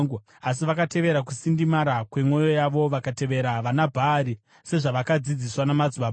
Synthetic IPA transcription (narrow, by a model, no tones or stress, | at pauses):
as̬iʋakate̞ʋe̞ɾak̬usindimaɾakwe̞mwo̞jo̞jaʋo̞ʋakate̞ʋe̞ɾaʋanabʱaːɾi | se̞ʐaʋakad͡zid͡ziswanamad͡zuʋa